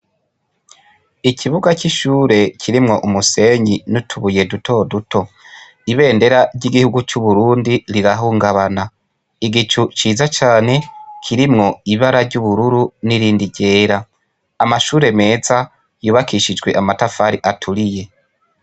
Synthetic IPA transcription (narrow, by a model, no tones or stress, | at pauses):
icʰiβuɡat͡ʃiʃuːɾe̞cʰiɾimŋo̞ʔumuse̞ɲinutʰuβuje̞dutʰo̞dutʰo̞ | iβe̞ːnde̞ɾaɾɟiɡihuɡut͡ʃuβuɾuːndiɾiɾaɦuːŋɡaβana | iɡit͡ʃut͡ʃiːzat͡ʃaːne̞kʰiɾimŋo̞iβaɾaɾɟuβuɾuɾuniɾiːndiɟe̞ːɾaː | maʃuːɾe̞me̞ːza | juːβakiʃid͡ʒɡwe̞ʔamatafaɾiʔatʰuɾije̞